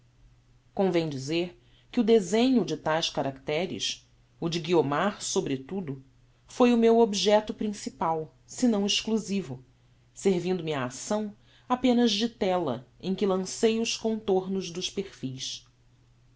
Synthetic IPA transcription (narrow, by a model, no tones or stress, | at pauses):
kõvẽj̃d͡ʒizeɾ | kɪʊd̪ezẽɲʊd͡ʒɪt̪ajskaɾakt̪ɛɾɪ̰s | ʊd͡ʒɪɡiomaɾsobɾɪt̪ud̪ʊ | fojʊmewobiʒɛt̪ʊpɾĩsipaw | sɪnɐ̃w̃ɪʃkluzivʊ | seɾvĩnd̪ʊmɪaːsɐ̃w̃ | apẽnɐzd͡ʒɪt̪ɛlɐ̰ẽj̃kɪlɐ̃sejʊʃkõnt̪oɾnʊzd̪ʊʃpeɾfijs